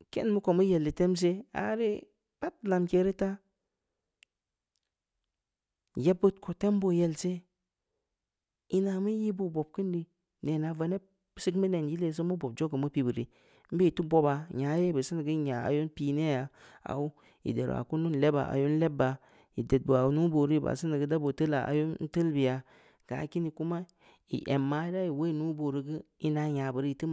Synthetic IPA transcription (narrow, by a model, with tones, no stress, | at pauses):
kḛ˦nmu˦ko˨mu˦je˨lːi˨te˦ms̬e˦a̰˨˦ɾi˦ | b̥a˦t̚la˨mke˨˦ɾi˦ta˦ | je˦bːɨ˦tkʰo˨te˦m˦bo˦je˨lse˦ | i˦na˨mi˦ji˦bu˦bo˨b̚kɨ˦ndi˨ | ne˨na˨va˨ne˦ | si˦kmə˦ne˨nji˦le˨s̬o˦mu˦bo˨b̚d͡ʒo˦ɡə˨mu˦pi˨bi˨ɾḭ˨ | m̩˦be˦i˨tu˦bo˦ba˨ɲa˨˦je˦bɨ˨sɨ˦nɨ˨ɡɨ˦ɲa˨a̰˨jo˦n˦pi˨ne˦ja˨a̰˨wu˦ | ḭ˨de˨ɾ̰a̰˨ku˦nu˦n˨lɛ˦ba̰˨ʔa̰˨jo˦n̩˦lɛ˦bːa˨ | ji˨de˨t̚bɨ˨a˨wu˨˦nu˦bo˨ɾi˦i˨ba̰˨sɨ˦nɨ˨ɡɨ˦da˦bo˨tə˦la̰˨ʔa̰˨jo˦n˦n̩˦tə˦lbi˨ja˨ | ɡ̥a̰ː˨˦ki˦ni˨ku˦ma˦ | ḭ˨ʔe˨mːaː˨˦da˦ji˨we˦˨nu˦bo˨ɾi˨ɡɨ˦ | i˦na˨ɲa˨bɨ˨ɾi˦i˨tɨ˦m